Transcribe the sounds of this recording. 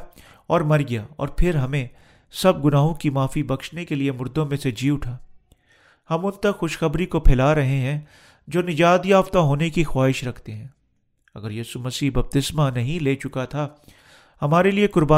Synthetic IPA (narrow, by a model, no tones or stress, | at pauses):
ɔːɾmɐɾɡjaɔ̰ːɾpʰɪɾɦɐmẽ | sɐb̚ɡʊnaːɦõkimaːfibɐkʃnekeliemʊɾd̪õmẽsed͡ʒiːʊʈʰaː | hɐmʊnt̪ɐkxʊʃxɐbɾikopʰɪlaɾɐɦeɦɛ̃ː | d͡ʒoːnɪd͡ʒaːd̪jaːft̪aɦoːnekixwaːɦɪʃɾɐkʰt̪eɦɛ̃ː | ɐ̰ɡəɾjiːsumɐsiːɦbɐb̚t̪ɪsmanɐɦĩleːt͡ʃʊkat̪ʰa | hɐmaːɾeliekʊɾbaː